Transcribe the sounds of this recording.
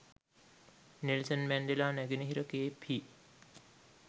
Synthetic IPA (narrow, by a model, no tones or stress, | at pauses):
nelsənmændelaːnæɡenəɦiɾəkeːpʰi